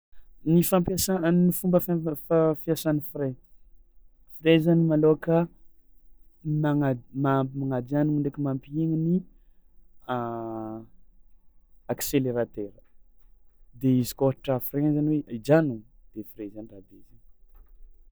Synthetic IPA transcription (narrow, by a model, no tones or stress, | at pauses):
nifampasannifumbəfafafjasanifire | firezanimaloka | maŋamamaŋad͡ʒanimuɳɖ͡ʐakimampiiŋini | a | akseleɾat̪eɾə̥ | d̪eizi̥koɦaʈ͡ʂafiɾezaniweʔid͡ʒanud̪̥efirezanrab̪ezin